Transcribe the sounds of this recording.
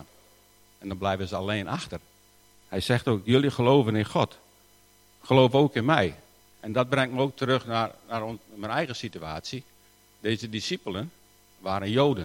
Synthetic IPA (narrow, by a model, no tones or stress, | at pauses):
ɛndɔnblɛjvəzəaleːnʔaxtər | hɛjsɛxtoːkjølˠjəχəloːvənɪnxɔt | χəloːvoːkɪnmɛj | ʔɛndɔt̚brɛŋtməoːk̚tʰəɾøxnanarmɛnɛjɣəsityaːsji | deːzədisipələn | ʋaːɾənjoːdə